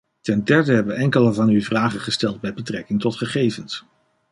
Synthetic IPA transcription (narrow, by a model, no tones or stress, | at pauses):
tɛndɛɹdəɦɛbəɛŋkələvɑnyvraːχəχəstɛlˠd̚bɛjbətrɛkɪŋtɔtχəχejvəns